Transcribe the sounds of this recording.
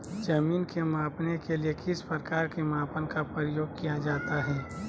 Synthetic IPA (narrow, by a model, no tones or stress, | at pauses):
d͡ʒɐmiːnkemaːpnekelijekɪspəɾkaːɾkemaːpənkapɾəjoːɡ̚kijad͡ʒaːt̪aɦɛː